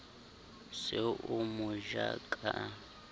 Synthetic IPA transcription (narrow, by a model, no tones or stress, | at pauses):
sɪʔʊmʊʒakʼa